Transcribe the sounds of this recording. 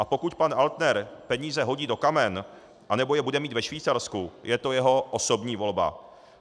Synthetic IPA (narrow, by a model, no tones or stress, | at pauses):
ʔapo̞kucpanʔalt̪nɛɾpɛɲiːzɛɦo̞ɟiːdo̞kamɛn | ʔanɛbo̞jɛbudɛmiːt̪vɛʃviːt͡saɾskujʔɛt̪o̞jɛɦo̞ʔoso̞bɲiːvo̞lba̰